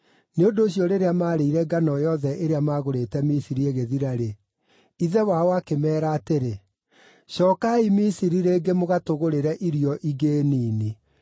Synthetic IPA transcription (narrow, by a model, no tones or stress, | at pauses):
neondoːɕjɔɾeɾeamaːɾeiɾɛɡanɔjɔðɛʔeɾeamaɣoɾetɛmisiɾieɣeðiɾaɾe | iðɛwaɔakemɛːɾaːteɾe | ɕɔːkaimisiɾiɾeːɡemoɣatoɣoɾeɾɛʔiɾiɔʔiɣeːniːni